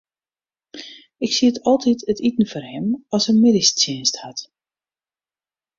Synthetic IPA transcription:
ɪksiətɔlˠtitʰətitn̩fɔrhɛmɔsəmɪdɪstjɪnsthat

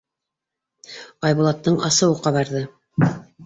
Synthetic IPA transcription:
ɑjβulˠɑt̪ːɤɴɑ̰sɤ̆wɤqɑβɑɾðɤ

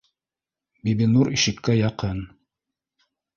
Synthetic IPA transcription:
bibinuɾiʃɘ̆kːæjɑqɤn

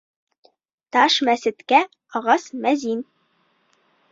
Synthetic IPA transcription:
t̪ɑʃmæsɘ̆t̪kæ | ɒʁɑsmæzin

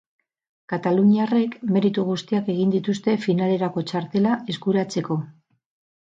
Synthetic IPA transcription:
kat̪aluɲiare̞kme̞ɾit̪uɣ̞ust̪iake̞ɣ̞ind̪it̪ust̪e̞finale̞ɾako̞t͡ʃaɾt̪e̞lae̞zkuɾat͡se̞ko̞

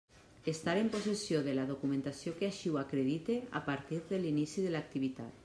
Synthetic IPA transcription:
est̪aɾemposesjoðelaðokumẽnt̪asjokeaʃiwakɾeðit̪ea̰paɾt̪iɾðelinisiðelak̚t̪iβ̞it̪a̰t̪

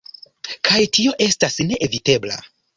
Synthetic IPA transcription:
kʰajtio̞ʔe̞stasne̞ʔevite̞bla̰

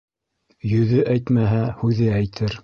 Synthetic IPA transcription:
jɵ̆ðɘʔæjt̪mæɦæhʉðɘæjt̪ʰɘɾ

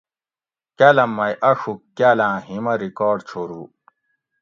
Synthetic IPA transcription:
kɐlɐmːɐjʔɐʂukːalãːɦimɐɾikoːɖt͡ɕʰoɾuː

